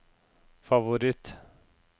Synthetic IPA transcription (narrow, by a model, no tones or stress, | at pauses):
favʊɾɪt̪